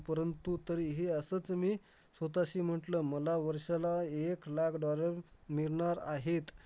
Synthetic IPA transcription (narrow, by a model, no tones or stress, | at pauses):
pəɾənt̪ut̪əɾiɦeəsət͡smiː | sʋət̪aɕiːm̤əʈləːməlaʋəɾɕalaeklakʰɖɔləɾmiɾɳaɾaɦet̪